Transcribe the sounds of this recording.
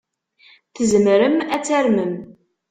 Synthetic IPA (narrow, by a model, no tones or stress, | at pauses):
θəzmɾəmæt͡sːæɾməm